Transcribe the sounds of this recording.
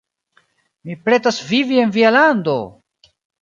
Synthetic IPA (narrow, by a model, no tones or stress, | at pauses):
mipɾe̞tasvivie̞nvialand̪o̰